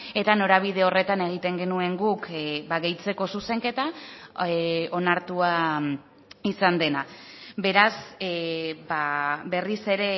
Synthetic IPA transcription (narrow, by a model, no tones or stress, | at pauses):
e̞t̪ano̞ɾaβ̞ið̞e̞o̞re̞t̪ane̞ɣ̞it̪e̞ŋɡe̞nue̞ŋɡukbaɣe̞jt͡se̞ko̞suse̞ŋke̞t̪a | o̞naɾt̪ua | isand̪e̞nabe̞ɾas | baβe̞rise̞ɾe̞